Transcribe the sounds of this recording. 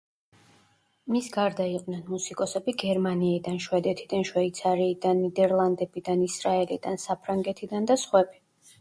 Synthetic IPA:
misɡaɾd̪aiqʼnɛnmusikʼɔsɛbiɡɛɾmaniɛd̪anʃwɛd̪ɛt̪ʰid̪anʃwɛit̪sʰaɾiːd̪anːid̪ɛɾlˠand̪ɛbid̪anisɾaɛlid̪ansapʰɾaŋɡɛt̪ʰid̪and̪asχwɛbi̥

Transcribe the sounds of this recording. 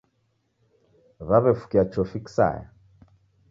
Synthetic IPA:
βaβɛfu̥kiat͡ʃʰɔfiksa̰ja̰

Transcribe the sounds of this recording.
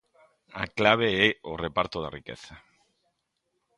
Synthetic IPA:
a̰klaβ̞eeorepaɾt̪oðarikḛθa

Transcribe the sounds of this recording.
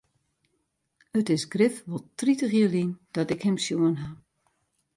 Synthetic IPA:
ətɪsɡrɪfʋɔlˠtritəxiəlind̥ɔtɪkhɛmsjuənɦa

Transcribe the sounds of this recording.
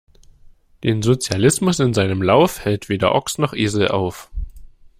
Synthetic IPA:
d̥eːnzot͡sjalɪsmʊsɪnzaɪnəmlaʊfhɛltv̥eːdɐ̰ʔɔksnɔχʔeːzl̩ʔa̰ʊf

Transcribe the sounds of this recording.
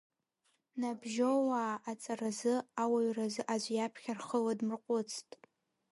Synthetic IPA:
nabʒowaːt͡sʼarazɨawaɥrazɨʔaʒʷjapʰχʲarχəladmɨrqʷʼʊt͡sʰtʼ

